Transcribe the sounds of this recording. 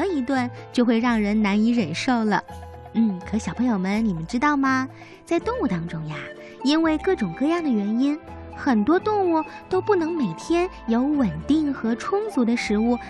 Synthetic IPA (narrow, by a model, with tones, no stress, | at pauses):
i˧˥t̪wa˥˧nt͡ɕjo˥˧ʊxwe˥˧ɪɻɑ˥˩ŋɻə˧˥nna˧˥ni˧˥ɻə˨˩nʂo˥˩ʊlə˩ | n̩˥˩kʰɤ˧˩˥ɕjʊpʰɤ˧˥ŋjo˨˧ʊmə˧˦nni˨˩mə˦nʈ͡ʂɻ̩˥t̪ɑ˥˩ʊmɐ˩ | t͡sa˥˧ɪt̪ʊ˥˧ŋu˥˩t̪ɑ˥ŋʈ͡ʂʊ˥ŋja˥˩ | i˥nwe˥˧ɪkɤ˥˩ʈ͡ʂʊ˨˩ŋkɤ˥˧jɑ˥˩ŋd̪ə˩ɥɛ˧˥ni˥n | xə˨˩nt̪wɔ˥t̪ʊ˥˧ŋu˥˩t̪o˥ʊpu˥˩nɤ˧˥ŋme˨˩ɪt̪ʰjɛ˥n | jo˧˥ʊwə˨˩nt̪i˥˩ŋxɤ˧˥ʈ͡ʂʰʊ˥ŋt͡su˧˥d̪ə˧ʂɻ̩˧˥u˥˩